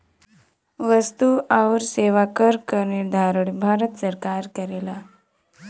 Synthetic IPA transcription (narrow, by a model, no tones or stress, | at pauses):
ʋəst̪uaʋɾseʋakəɾkəɾnid̪ʱaɾəɽbʱaɾət̪səɾkaɾkəɾela